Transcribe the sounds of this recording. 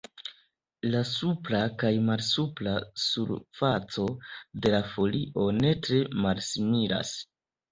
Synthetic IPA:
lasuplakajmalsuplasuɾfat͡so̞de̞lafo̞liʔo̞ne̞tɾe̞malsimiɾa̰s

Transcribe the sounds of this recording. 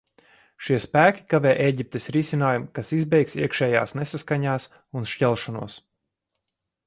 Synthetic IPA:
ʃiɛspæːkʲi̥kavɛːʔeːɟip̚t̪esɾisinaːjumkasizbɛjksiɛkʃɛːja̰ːsnesaskaɲaːs | unʃcɛlˠʃɔnṵɔs

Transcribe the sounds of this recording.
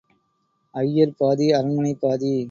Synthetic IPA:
ɐjːɐɾpaːðiɐɾɐmɐnɐɪpaːði

